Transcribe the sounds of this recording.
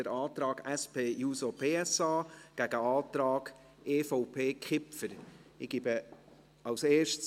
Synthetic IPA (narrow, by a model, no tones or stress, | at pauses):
əɾɑːt̪ɾɑːɡ̥ɛspʰeːjuːsopʰeːɛsɑːɡ̥æɡ̥əɑːt̪ɾɑːɡ̥ | ʔeːfɔʊpʰeːkχɪpfəɾɪɡ̥ibə | ɑʊseːʃts